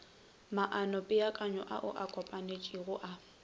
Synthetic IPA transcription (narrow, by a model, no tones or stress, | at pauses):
maʔanɔpʼɪakʼaɲɔʔa̰ʔʊ̰ʔakʼɔpʼanet͡ʃʼiɣʊʔa